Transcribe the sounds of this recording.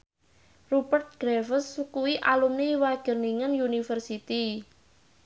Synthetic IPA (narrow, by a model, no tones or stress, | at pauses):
rupərt̪̚ɡ̥ɾɛfəsːukuwiʔalumnewaɡ̥ə̤rniŋənjunifərsit̪i